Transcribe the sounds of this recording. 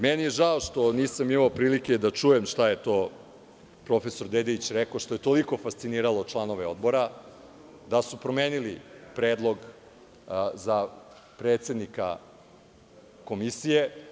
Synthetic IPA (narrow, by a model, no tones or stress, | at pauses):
menijeʒaoʂt̪o̞niːsamimaopɾiːlike̞d̪at͡ʃuje̞mʃt̪ajet̪o̞ː | pɾo̞fe̞so̞ɾd̪ed̪eʋit͡ɕɾekoʃt̪oje̞t̪o̞liko̞fast̪siniːɾalˠot͡ʃlˠano̞ʋeo̞d̪bo̞ɾa | d̪asupɾo̞meːnilipɾeːd̪lˠo̞ɡ | za | pɾet̪se̞d̪nika̰ | ko̞misije̞